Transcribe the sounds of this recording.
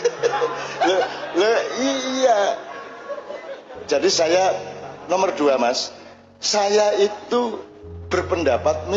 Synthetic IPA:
lələija | d͡ʒadisajanɔmərduamas | sajait̪u | b̥ərpəndapat̪̚mi

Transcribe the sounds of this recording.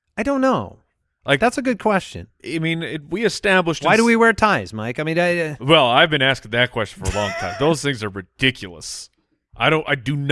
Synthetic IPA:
aɪɾõʊ̃nːoʊ | laɪkðætsɨɡʊd̚kʰw̥ɛst͡ʃɨ̰̃nʔaɪmĩnɪwiɨstæbləʃwaɪɾɨwiwɛɹtʰaɪzmaɪkaɪmĩnɨwɛlˠaɪvbɨ̃næskɪ̃ŋðɨt̚kʰw̥ɛst͡ʃn̩fə˞ə̰lɔ̰̃ŋtʰãɪ̃mðoʊz̥θɪ̃ŋzə˞ɹɨd̥ɪkʰjl̩ˠə̰s | ʔa̰ɪɾõʊ̃naɪdɨn

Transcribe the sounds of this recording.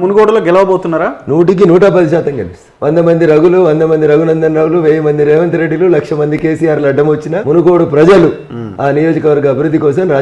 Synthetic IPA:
munuɡo̞ːɽuloːɡɛlɐʋɐboːt̪unːaːɾaːnuːʈik̬inuːʈɐpɐd̪iʃaːt̪ɐŋɡɐlis | ʋɐnd̪ɐmɐnd̪iɾɐɡuluʋɐnd̪ɐmɐnd̪iɾɐɡunɐnd̪ɐnɾaːwuluʋeːjɐmɐnd̪iɾeːʋɐnt̪ɐɾeɖːilulɐkʂɐmɐnd̪ike̞ːsijaːɾluɐɖːɐmʋɐt͡ʃːinɐmunuɡo̞ːɽupɾɐd͡ʒɐlu | aːnijo̞ːd͡ʒikɐʋɐɾɡɐːbʱiɾud̪ʱːikɔːsɐmɾaː

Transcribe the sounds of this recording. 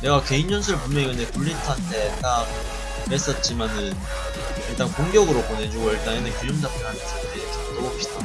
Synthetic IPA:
ne̞ɡake̞ind͡ʑʌnsʰɯɭpumjʌŋiɯndepuɭːitʰande̞t͈ak̚ | hes͈ʌt̚t͡ɕ͈imanɯn | iɭt͈aŋkoŋɡjʌɡɯɾopone̞d͡ʑuɡoiɭt͈aŋinɯkuɲumdapʰʌɾɦanʌns͈ʰandekʰit͈ooɕ͈ʰi̥d̥a

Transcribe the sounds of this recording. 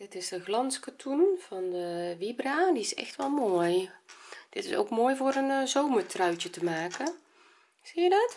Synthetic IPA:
d̥ɪtɪsdəɣlɑnskatʰunv̥ɑndəʋibraːdiɪsɛ̰xtʋɛlˠmoːj | d̥ɪtɪso̰wkmoːjvoːɾənzowməɹtrœɥt͡ʃətəmaːkə | z̥iːjədɑt

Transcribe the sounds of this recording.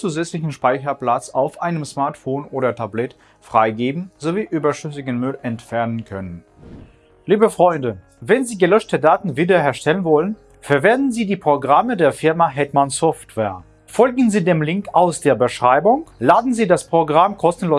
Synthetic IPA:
t͡suːzɛt͡slɪçn̩ʃpaɪçɐpl̥at͡saʊfʔaɪnəmsmaɐtfoːnʔoːɾɐtʰablɛt | fʁ̥aɪɡeːbm̩zoviːʔyːbɐʃʏs̬ɪɡənmʏlɛntfɛɐnənkʰœnən | liːbəfʁ̥ɔʏndə | vɛnziːɡəlœʃtədaːtn̩viːdɐhɛɐʃtɛlənvɔlən | fɛɐvɛɐndn̩ziːdiːpʁ̥oɡʁamədeːɐfɪɐmaɦɛtmansɔftv̥ɛːɐ | fɔlɡŋ̩ziːdeːmlɪŋkaʊsd̥eːɐbəʃʁ̥aɪbʊŋlaːdn̩ziːdaspʁ̥oɡʁamkʰɔstn̩loː

